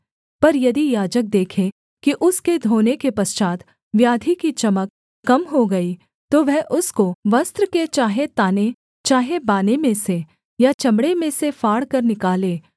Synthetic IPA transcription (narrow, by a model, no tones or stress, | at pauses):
pɐɾjɐd̪ijaːd͡ʒək̚d̪eːkʰẽ | kiʔʊsked̪ʱoːnekepɐst͡ʃaːt̪ | ʋjaːd̪ʱikit͡ʃɐməkː | ɐmɦoɡɐi | t̪oʋɛɦʔʊskoʋɐst̪ɾəket͡ʃaːɦet̪aːne | t͡ʃaːɦebaːnemẽse | jat͡ʃɐmɽemẽsefaːɽkɐɾnɪkaːlẽː